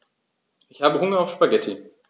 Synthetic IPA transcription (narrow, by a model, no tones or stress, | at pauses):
ʔɪçhaːbəɦʊŋɐaʊfʃpaɡɛtʰi